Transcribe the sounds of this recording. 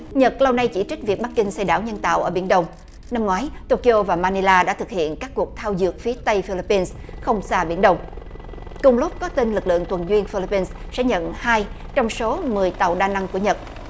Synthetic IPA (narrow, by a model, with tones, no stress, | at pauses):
ɲə˨˩t̚la˧wna˧jt͡ɕi˧˩t͡ɕï˦˥k̟̚vi˨˩ək̚ɓa˦˥k̚kï˧ŋ̟sa˧jɗaː˧˩wɲə˧nt̪a̰ː˧˨wʔəː˧˩ɓi˧˩ənɗə˧wŋ͡m | na˧mŋwaː˨˦jt̪o˧ki˧ʔo˧vaː˨˩maː˧ni˧laː˧ɗa̰ː˧˥t̪ʰɨ˨˩k̚hḭ˧˨ənkaː˦˥k̚ːu˨˩ək̚t̪ʰaː˧wzɨ˨˩ək̚fi˨˦ət̪ə˧jfi˧li˧pːi˧ns | xə˧wŋ͡msaː˧ɓḭ˧˩ənɗə˧wŋ͡m | kʊ˨˩ŋ͡mlʊ˦˥p̚kɔ˨˦t̪i˧nlɨ˨˩k̚lɨ̰˧˨əŋt̪wə˨˩nzwi˧ənfi˧li˧pːi˧ns | sɛ̰˧˥ɲə̰˧˨nhaː˧j | t͡ɕɔ˧wŋ͡mso˨˦mɨ˨˩əjt̪a̰˨˩˨wɗaː˧˩na˧ŋku˧˩əɲə˨˩t̚